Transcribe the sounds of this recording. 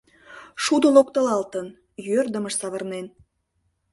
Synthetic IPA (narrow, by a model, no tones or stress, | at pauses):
ʃud̪ə̆lokt̪ə̆lɑlt̪ən | jørd̪əməʃsɑβərnen